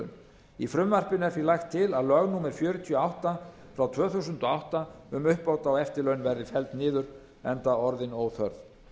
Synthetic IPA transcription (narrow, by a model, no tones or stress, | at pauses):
n | ifɾʏmvar̥pɪnɛfilajxt̪ʰːɪlaðlœɣnuːmɛɾ̥fjœːɾʏt̪ʰiɔawht̪a | fɾawt̪ʰvœːθuwsʏnt̪ɔawht̪aʏmʏhpoːwt̪awɛft̪ɪlœɥnvɛɾðɪfɛlt̪nɪːðʏɾ̥ | ɛnt̪aɔɾðɪnowθœɾð